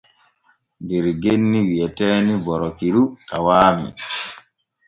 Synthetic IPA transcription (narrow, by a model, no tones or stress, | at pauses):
ndɛɾɡenːiwiɛtɛːnibɔɾɔkiɾutawaːmḭ